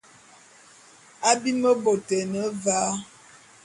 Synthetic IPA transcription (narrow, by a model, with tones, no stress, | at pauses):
a˦bi˦mə˦bo˨tɛ˨nə˨˦va˦